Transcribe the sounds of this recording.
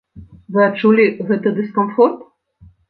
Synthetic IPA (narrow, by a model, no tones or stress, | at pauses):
vɨat͡ʂulʲiɣɛt̪ɐd̪ɨskɔnfɔrt̪